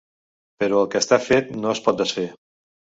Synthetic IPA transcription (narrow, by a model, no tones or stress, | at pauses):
pəɾɔəlˠkəst̪afet̪noəspɔt̪̚d̪əsfe